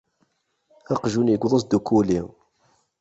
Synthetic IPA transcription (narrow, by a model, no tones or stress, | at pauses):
ɑqʒunjəɡʷðˤəsd̪ukuli